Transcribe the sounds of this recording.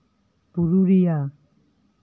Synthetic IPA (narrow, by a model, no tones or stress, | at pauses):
puɾuɾija